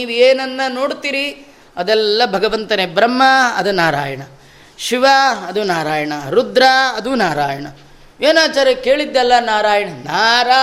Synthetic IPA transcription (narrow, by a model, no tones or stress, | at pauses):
iːʋueːnɐnːɐno̞ːɽt̪iːɾi | ɐd̪ɛlːɐbʱɐɡɐʋɐnt̪ɐnebɾɐmːɐɐd̪unaːɾaːjɐɳɐ | ʃiʋaɐd̪unaːɾaːjɐɳɐɾud̪ɾaɐd̪unaːɾaːjɐɳɐ | eːnaːt͡ʃaːɾeke̞ːɭid̪ːɛlːɐnaːɾaːjɐɳɐnaːɾaː